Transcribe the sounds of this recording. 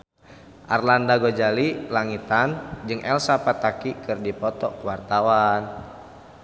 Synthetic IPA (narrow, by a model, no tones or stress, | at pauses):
ʔarlandaɡod͡ʒalilaŋit̪and͡ʒɨŋʔɛlsapat̪akikɨrdipɔt̪ɔkuwart̪awan